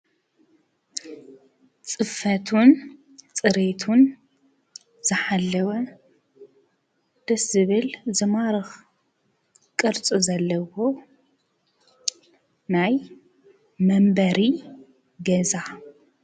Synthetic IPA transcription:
t͡sʼɨfɐt̪ʰun | t͡sʼɨɾet̪ʰun | z̥ɨħalːɐwɐ | d̪̥ɐszɨβɨlzɨmaɾɨx | kʼɨɾt͡sʼɨzɐlːɐwo | naj | mɐmbɐɾi | ɡɐza

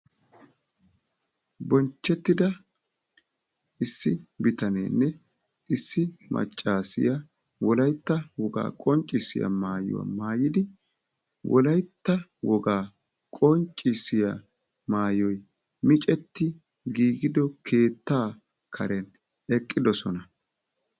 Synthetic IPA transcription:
bɔnt͡ʃːɛt̪ːɪd̪ɐ | ʔɪsːɪbɪt̪ɐnḛnːɛ | ʔɪsːɪmʔɐ̰t͡ʃʼːaːsɪ̰jɐ | wɔlɐjt̪ːɐwɔɡa̰ːkʼɔnt͡ʃʼːɪsɪ̰jɐ̰maːjʊ̰wɐ̰maːjɪd̪ɪ | wʔɔ̰lɐjt̪ːɐwɔɡaː | kʼɔnt͡ʃʼːɪsɪjɐ | maːjɔj | mɪt͡ʃʼɛt̪ːɪ | ɡiːɡɪd̪ɔkʰe̞ːt̪ːaː | kʰɐɾɛn | ɛkʼːɪd̪ɔsɔnɐ

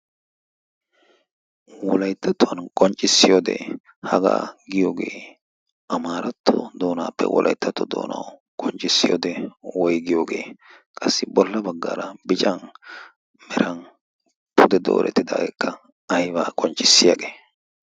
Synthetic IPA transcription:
wɔlɐjt̪ːɐt̪wɐnkʼɔnt͡ʃʼːɪsːɪjod̪ɛ̰ | hɐɡa̰ːɡɪjoːɡe̞ː | ʔɐmaːɾɐt̪ʰːɔ̰d̪oːnaːpːɛ̰wʔɔ̰lʔɐ̰jt̪ʰːɐt̪ːɔd̪o̰ːnɐ̰wkʼɔnt͡ʃʼːɪsːɪjo̰ːd̪ɛwɔjɡɪjoːɡe̞ː | kʼɐsːɪbɔlːɐbɐɡːa̰ːɾɐbɪt͡ʃʼɐn | mɛɾɐn | pʰʊd̪ɛd̪o̞̰ːɾʔɛ̰t̪ːɪd̪a̰ːɡɛkʰːɐ | ɐjbaːkʼɔnt͡ʃʼːɪsːɪjɐɡeː

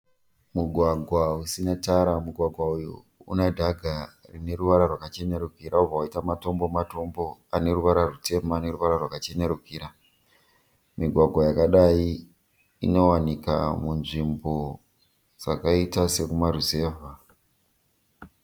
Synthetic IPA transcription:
muɡʱwaɡʱwausinataɾamuɡʱwaɡʱwauju | ṵnadʱaɡʱarine̞ɾuʋaɾarwakat͡ʃe̞ne̞ɾukiɾʔaubvawaitamato̞mbo̞mato̞mbo̞ane̞ruʋaɾarute̞maːne̞ruʋaɾarwakat͡ʃe̞ne̞ɾukiːɾa | miɡʱwaɡʱwajakaɗai | ino̞wanika̰munʐimbo̞ | d͡zakaitase̞kumaɾuze̞ːva

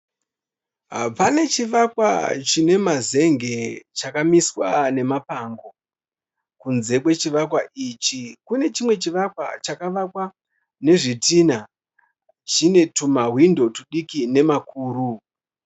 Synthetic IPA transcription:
ɦa̰pane̞t͡ʃiʋakwa̰t͡ʃine̞maze̞ŋɡe̞t͡ʃakamiswane̞mapaŋɡo̞ | kunze̞kwe̞t͡ʃiʋakwaʔit͡ʃikune̞t͡ʃimwe̞t͡ʃiʋakwa̰t͡ʃakaʋakwa | ne̞ʐitina | t͡ʃine̞tumawindo̞tuɗikine̞makuːɾu

